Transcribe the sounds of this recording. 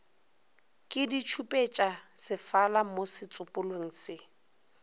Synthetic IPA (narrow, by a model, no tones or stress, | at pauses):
kʼɪdit͡ʃʰupʼet͡ʃʼasɪfalamosɪt͡sʼʊpʼʊlweŋ̩sɪ